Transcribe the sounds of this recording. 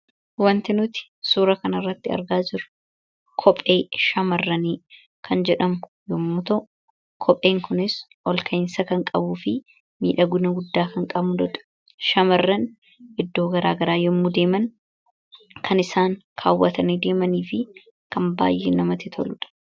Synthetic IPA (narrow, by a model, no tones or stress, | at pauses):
wɐnt̪ɪnʊt̪ɪ̥ | suːɾɐkɐnɐrːɐt̪ːɪɐ̰ɾɡaːd͡ʒɪɾʊ̥ | kʰɔpʼːeːʃɐmɐrːɐniː | kʰɐnd͡ʒɛᶑɐmʊ | jɔmːʊt̪ɐʔʊ | kʰɔpʼe̞ːŋkʊnɪsʔɔlkʰɐɪnsɐkɐŋkʼɐbuːfɪ | mḭːᶑɐɡʊnɐɡʊd̪ːaːkɐŋkʼɐbmʊd̪ɔᶑ̪ɐ̥ | ʃɐmɐrːɐn | ɪd̪ːo̞ːɡɐɾaːɡɐɾaːjɔmːʊd̪e̞ːmɐn | kʰɐnɪsaːŋkʰa̰ːwːɐt̪ɐniːd̪e̞ːmɐniːfɪ | kɐmba̰ːjʔeːnɐmɐt̪ɪt̪ʰɔ̰lʊᶑɐ̥